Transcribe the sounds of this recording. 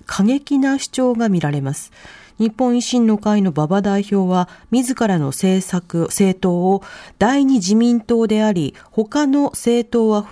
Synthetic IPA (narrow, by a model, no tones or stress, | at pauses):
kʰaɡe̞kʲinaɕi̥t͡ɕo̞ːɡamʲiɾaɾe̞masɨ̥ɲ̟ipːõ̞ɰ̃iɕĩnːo̞kaino̞babad̪aiço̞ːβamʲizɨkaɾano̞̰seːsakɯ̟se̞ːt̪o̞ːod̪̥aiɲ̟id͡ʑimʲĩnt̪o̞ːd̪e̞aɾʲiho̞kano̞se̞ːt̪o̞ːβaɸ